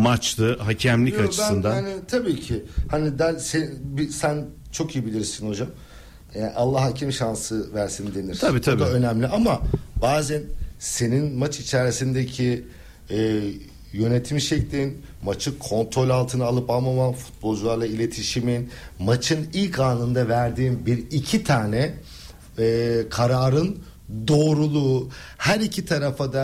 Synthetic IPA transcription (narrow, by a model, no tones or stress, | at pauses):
mat͡ʃlɯɦacʰɛmlʲikat͡ʃɯ̥sɯnd̪aanit̪ʰabiːcʰɪhanid̪ælʲsebisæn | t͡ʃʰo̞kijibilʲiɾsinho̞d͡ʒam | ɛʔalˠːahːacʰimʃansɯvæɾsinid̪e̞niɾ̥ʰaabiːt̪ʰabiaaø̞næmlʲiʔamabaːzænse̞ninmat͡ʃit͡ʃʰæɾisind̪ecʰi | ɛː | jø̞net̪ʰimʃɛclʲin | mat͡ʃʰɯkʰo̞nt̪ɾo̞lʲalˠt̪ʰɯnɯalˠɯpalˠmamanfu̥t̪̚bo̞lˠd͡ʒulˠaɾlˠailʲe̞t̪ʰiʃiminmat͡ʃʰɯnilʲkʰaːnɯnd̪avæɾd̪iːnbiɾicʰit̪ʰaːnɛ | ɛkʰaɾaːɾɯn | d̪o̞ːɾulˠuː | hæɾicʰit̪ʰaɾafad̪a